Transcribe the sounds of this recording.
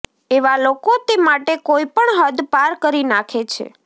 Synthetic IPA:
eʋalokot̪emaʈekoipəɳɦəd̪paɾkəɾinakʰet͡ʃʰḛ

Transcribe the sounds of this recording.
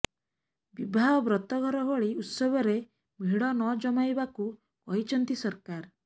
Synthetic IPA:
bibʱaɦɔbɾɔt̪ɔɡʱɔɾɔɦɔɭiut̪sɔbɔɾe | miɽɔnɔd͡ʒɔmajbaku | kɔɦit͡ʃʰɔnt̪isɔɾkaɾ

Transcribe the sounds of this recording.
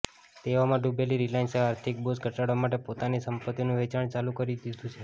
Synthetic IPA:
t̪eʋomãɖubeliɾilajnseaːɾt̪ʰik̚bosɡʱəʈaɽʋamaʈepot̪anisəmpət̪inũʋet͡ʃaɳt͡ʃalukəɾid̪id̪ũt͡ʃʰe

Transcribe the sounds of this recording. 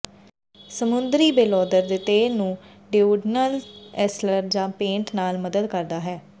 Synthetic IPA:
səmʊnd̪ɾiːbeːlɔːd̪əɾd̪eːt̪eːnũː | ɖɪuɖnəlɛsləɾd͡ʒãːpẽːɳʈnaːlməd̪əd̪kəɾd̪aːɦɛː

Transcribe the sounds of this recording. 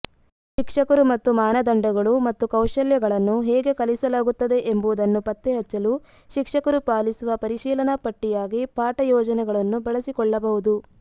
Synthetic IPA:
ʃikʂɐkɐɾumɐt̪ːumaːnɐd̪ɐɳɖɐɡɐɭumɐt̪ːukɐwʃɐljɐɡɐɭɐnːuɦɛːɡe̞kɐlisɐlaːɡut̪ːɐd̪e̞ʔembuud̪ɐnːupɐt̪ːeɦɐt͡ʃːɐlu | ʃikʂɐkɐɾupaːlisuʋɐpɐɾiʃiːlɐnɐpɐʈːijaːɡipaːʈɐjɔːd͡ʒɐnɛɡɐɭɐnːubɐɭɐsikɔɭːɐbɐɦud̪u

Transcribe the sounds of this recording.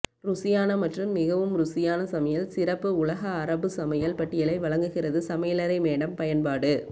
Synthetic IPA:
ɾʊsɪjaːnɐmɐʈrɯmːɪɣɐʋɯmɾʊsɪjaːnɐsɐmɐjɐlsɪrɐpːɯʊlɐɣɐːɾɐbɯsɐmɐjɐlpɐʈːɪjɐlɐɪʋɐɭɐŋɡɯɣɪrɐðɯsɐmɐjɐlɐɾɐɪmeːɽɐmpɐjɐnpaːɽɯ

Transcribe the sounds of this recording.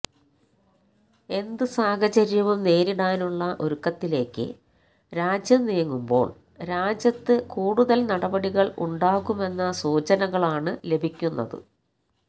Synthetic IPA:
e̞nd̪ɨsaːkɐt͡ɕɐɾjɐʋumne̞ːɾiɽaːnuɭːɐʔo̞ɾukːɐt̪ːile̞ːkːɨ̰ | ɾaːd͡ʑjɐmnijɐŋːumbo̞̰ːɭ | ɾaːd͡ʑjɐt̪ːɨkuːɽuðɐlnɐɽɐbɐɽiɣɐɭṵɳɖaːɣume̞nːɐsuːt͡ɕɐnɐɣɐɭaːɳɨle̞bʱikʲːunːɐ̰ðɨ̰

